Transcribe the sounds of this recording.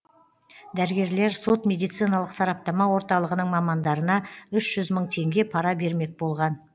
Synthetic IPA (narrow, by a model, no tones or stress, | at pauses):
d̪æɾəɡʲe̞ɾle̞ɾso̞t̪mʲe̞d̪ijt̪sɨjnɑlˠəqsɑɾɑp̚t̪ɑmɑwo̞ɾt̪ɑlˠəʁənəɴmɑmɑnd̪ɑɾənɑʏʃʒ̥ʏzməɴt̪ʰe̞ŋɡʲe̞pʰɑɾɑbe̞ɾme̞k̚bo̞lˠʁɑn